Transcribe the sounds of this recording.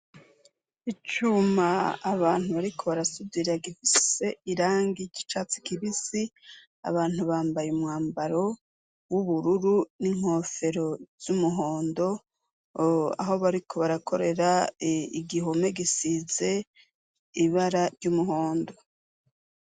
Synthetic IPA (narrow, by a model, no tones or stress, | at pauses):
it͡ʃumaːβaːn̥huβaɾikʰo̞βaɾasubiɾaɡifise̞iɾaːŋɡici̥t͡ʃat͡si̥kiβisi | a̰βaːn̥huβaːmbajeumŋaːmbaɾo̞ | wuβuɾuɾuniŋ̥ho̞ːfe̞ɾo̞z̥umuɦo̞ːndo̞ | a̰ɦo̞βaɾikʰo̞βaɾakʰo̞ɾe̞ɾaiɡiɦome̞ɡisize̞ | iβaɾaɾɟumuɦo̞ːndo̞